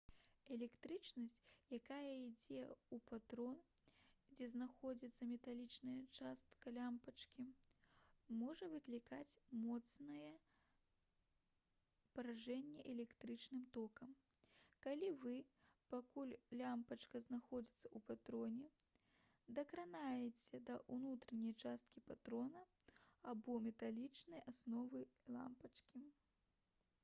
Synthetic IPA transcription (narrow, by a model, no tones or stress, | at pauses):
ɛlʲɛkt̪ɾɨt͡ʂnɐsʲt͡sʲjakajɐid͡zʲɛupat̪ɾɔnd͡zʲɛznaxɔd͡zʲit̪sːɐmʲɛt̪alʲit͡ʂnɐjɐt͡ʂast̪kɐlʲampɐt͡ʂkʲi | mɔʐɐvɨklʲikat͡sʲmɔt̪snɐjɛ | pɐɾaʐɛnʲːɛʔɛlʲɛkt̪ɾɨt͡ʂnɨmt̪ɔkɐm | kalʲivɨpakulʲlʲampɐt͡ʂkɐznaxɔd͡zʲit̪sːɐ̥upat̪ɾɔnʲɛ | d̪ɐkɾanajɛt͡sʲɛd̪ɐʔunut̪ɾɐnʲɐjt͡ʂast̪̚kʲipat̪ɾɔnɐabɔmʲɛt̪alʲit͡ʂnɐjasnɔvɨlˠa̰mpɐt͡ʂkʲi